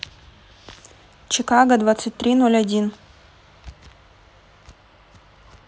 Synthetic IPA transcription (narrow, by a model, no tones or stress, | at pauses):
t͡ɕɪkaɡəd̪vat̪sɨt̚ʲt̪ɾʲinolʲɐdʲin